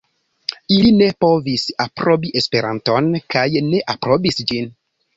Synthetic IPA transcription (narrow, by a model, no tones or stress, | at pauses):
iline̞po̞visapɾo̞biʔe̞spe̞ɾa̰nto̞nkajne̞ʔapɾo̞bisd͡ʒin